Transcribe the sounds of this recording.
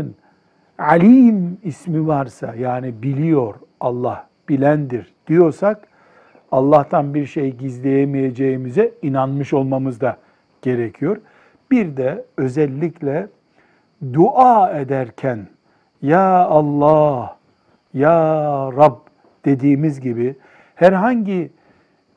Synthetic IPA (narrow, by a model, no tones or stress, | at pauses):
n | ʕalʲiːmismivaɾsa̰jaːnibilʲijo̞ɾ | ɑlˠːah | b̥ilʲænd̪iɾd̪̥ijo̞ɾsak | ɑlˠːaht̪ʰanbiɾʃe̞jɟizlʲe̞jemije̞d͡ʒejimizɛinanmɯʃo̞lˠmamɯzd̪a | ɟ̥e̞ɾecʰijo̞ɾ | b̥iɾd̪ɛø̞zɛlʲːiclʲɛ | d̪uʔaːe̞d̪æɾcʰæn | jaːlˠːaːh | jaːɾab | d̪̥e̞d̪iːmizɟibi | hæɾɦaɲɟi